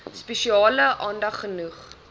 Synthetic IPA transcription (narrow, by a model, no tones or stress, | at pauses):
spɛʃiɑːləʔɑːndɐχːənuχ